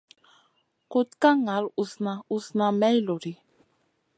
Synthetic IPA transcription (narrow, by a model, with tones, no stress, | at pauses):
kʊt̪ka˦ŋa˨ɾu˨sna˨usna˨mɛ˦jlo˨ɾi˨